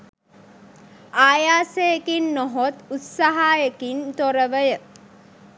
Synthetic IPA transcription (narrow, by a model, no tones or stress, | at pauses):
aːjaːsejekinnoɦot̪ut̪saɦaːjekint̪oɾəʋəjə